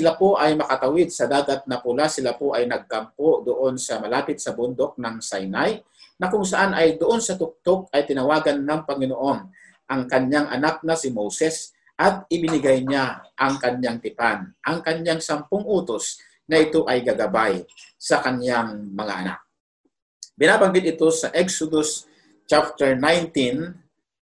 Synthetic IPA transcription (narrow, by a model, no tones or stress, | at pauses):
sɪlapo̞ʔɐjmɐkɐt̪ɐwɪd̪̚sɐd̪aːɡat̪̚nɐpʊlasɪlapoʔɐjnɐɡ̚ːɐmpod̪oʔo̞nsɐmɐlaːpɪt̪̚sɐbʊnd̪o̞k̚nɐŋsajnaj | nɐkʊŋsɐʔanʔɐjd̪ʊʔo̞nsɐt̪ʊk̚t̪ok̚ɐjt̪ɪnɐwaːɡɐnːɐŋpɐŋɪnoʔo̞n | ʔɐŋkɐɲjaŋʔɐ̰nak̚nɐsɪmowsɛs | ʔɐt̪̚ʔɪbɪnɪɡajɲaʔɐŋkɐɲjaŋt̪ɪpanʔɐŋkɐɲjaŋsɐmpoŋʔuːt̪os | nɐʔɪt̪o̞ʔɐjɡɐɡɐbajsɐkɐnjaŋmɐŋa̰ʔɐ̰na̰k̚ | bɪnaːbaŋɡɪt̪ɪt̪o̞sɐʔɛksod̪os | t͡ʃap̚t̪ɛɹnajnt̪in